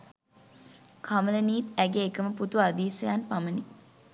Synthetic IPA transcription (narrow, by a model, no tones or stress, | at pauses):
kʰamələniːt̪æɡeːkəməput̪uad̪iːsɐjaːnpaməni